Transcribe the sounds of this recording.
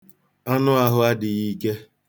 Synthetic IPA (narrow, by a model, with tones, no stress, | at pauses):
a˦nʊ˦a˦ɦʊ˦a˦dɪ˨i˦ke˦